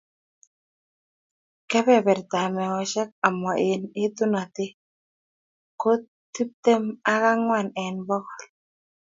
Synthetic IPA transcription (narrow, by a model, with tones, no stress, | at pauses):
kɛ˦bɛ˦bɛ˨ɾt̪a˨mɛ˨ɔ˨ʃɛ˦k̚a˨mɔ˨ʔɪ˨nɪ˦t̪u˦na˨t̪ɪ˦ | ko˦t | tːi˦p̚t̪e˦ma˦ka˦ŋwa˨nɛ˨nbɔ˦kɔ˨l